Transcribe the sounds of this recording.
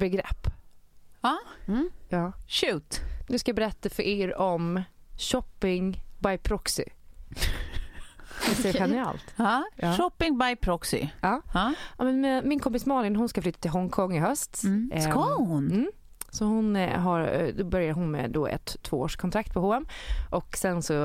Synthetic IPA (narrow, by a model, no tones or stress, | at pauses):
bɛɡɾɛ̰pː | ɑ | jɑːʃʉ̟ːt̪nʉ̟skajɑbɛɾɛt̪ːafœɾʔeːɾɔmɕɔpːɪŋbajpʰɾɔksɪ̰ | hɛt̪ɛɧɛnɪɛ̰ːlt̪ːɑːʃɔpːɪŋbajpʰɾɔksɪ̰ɑːmɛnmɛmɪnkʰɔmpɪsmɑːlɪnɦʊnskaflyːt̪ːat̪ʰɪlɦɔŋkʰɔŋːɪɦœst̪kɑhʊnm̩ː | sɔhʊnɦaɾd̪oːbœɾjaɾɦʊnmɛ̰d̪oːʔɛ̰t̪ʰːvoːo̰ːʂkʰɔnt̪ɾakt̪̚pʰɔɦoːɛmʔɔksɛnsɔ